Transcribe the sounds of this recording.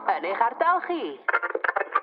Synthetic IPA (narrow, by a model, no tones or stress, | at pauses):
ənɪχardalˠχi